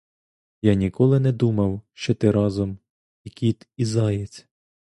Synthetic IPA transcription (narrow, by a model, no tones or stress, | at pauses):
jɑnʲikɔlˠɪnɛd̪umɐwʃt͡ʃɔt̪ɪɾɑzɔm | ikʲit̪izɑjet͡sʲ